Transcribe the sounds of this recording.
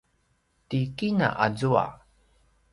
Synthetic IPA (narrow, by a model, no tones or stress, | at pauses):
tikina̰ʔazua̰